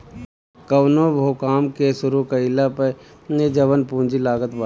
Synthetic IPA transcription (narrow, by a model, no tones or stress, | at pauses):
kɐwnobʱoːkaːmkesʊɾukəɪlapə | ned͡ʒɐʋənpũːd͡ʒilaːɡət̪ba